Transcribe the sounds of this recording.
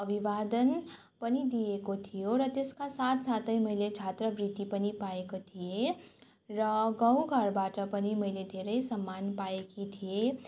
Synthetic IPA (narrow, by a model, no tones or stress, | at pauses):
əbiʋaːd̪ən | pənid̪ijekot̪ʰijoɾʌt̪eskasaːt̪saːt̪əiməɦɪlet͡ʃʰaːt̪ɾəbɾit̪ipənipaekot̪ʰije | ɾəɡə̃ũɡʱəɾbaːʈəpəniməɦɪled̪ʱeɾəisəmːaːnpaekit̪ʰije